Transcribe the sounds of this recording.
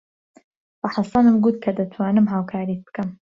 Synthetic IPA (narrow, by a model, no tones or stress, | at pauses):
bɐħɑsɑnɨmɡut̪̚kʰɐd̪ɐt̪ʰwaːnɨmɦaːwkʰaːɾit̪̚b̥kɐm